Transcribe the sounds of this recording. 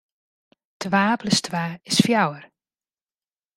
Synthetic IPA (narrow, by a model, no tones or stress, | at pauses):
tʋaːpləstʰʋaːɪsfjawər